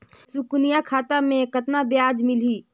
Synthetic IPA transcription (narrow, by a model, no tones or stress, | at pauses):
sʊknijakʰaːt̪amẽkət̪nabjaːd͡ʒmɪliː